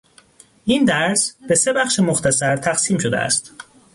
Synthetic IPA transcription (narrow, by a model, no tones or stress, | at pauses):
ʔind̪æɾsb̥e̞se̞bæχʃemoxt̪ʰæsæɾt̪ʰæxsiːmʃo̞d̪eʔæ̰st̪